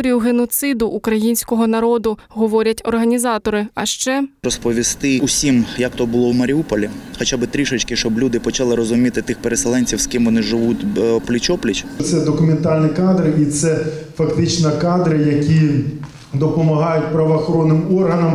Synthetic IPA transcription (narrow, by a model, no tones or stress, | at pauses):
ɾʲijʊɦenɔt̪sɪd̪ʊʔːkɾɐjinʲsʲkɔɦɔnɐɾɔd̪ʊɦɔʋɔɾʲɐtʲɔrɦɐnʲizɑt̪ɔɾɪɐʃt͡ʃɛrɔspɔʋʲist̪ɪʊsʲimjɐkt̪ɔbʊlˠɔwmɐɾʲiupɔlʲixɔt͡ʃabɪt̪ɾʲiʃɔt͡ʃkɪʃt͡ʃɔblʲud̪ɪpɔt͡ʃalˠɪɾɔzʊmʲit̪ɪt̪ɪxpeɾeselˠɛnʲt͡sʲiwskɪmʋɔnɪʒɪʋutʲplʲit͡ʃɔplʲit͡ʃt̪sɛd̪ɔkʊment̪ɑlʲnʲikɑd̪ɾɪʔit̪sɛfɐkt̪ɪt͡ʃnɐkɑd̪ɾɪjɐkʲi | d̪ɔpɔmɐɦɑjʊt̚ʲpɾɐʋɐːxɔɾɔnːɪmɔrɦɐnɐm